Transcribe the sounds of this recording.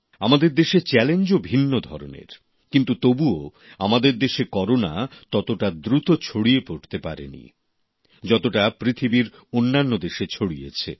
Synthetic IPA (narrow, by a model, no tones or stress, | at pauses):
amad̪eɾd̪eʃet͡ɕɛlend͡ʑobʱinːod̪ʱɔɾo̰nḛɾ | kint̪ut̪obuo | amad̪eɾd̪eʃekɔɾonat̪ɔt̪oʈad̪ɾut̪ot͡ɕʰoɽiepoʈt̪epaɾḛnḭ | d͡ʑɔt̪oʈapɾit̪ʰibiɾ | onːanːod̪eʃet͡ɕʰoɽijḛt͡ɕʰḛ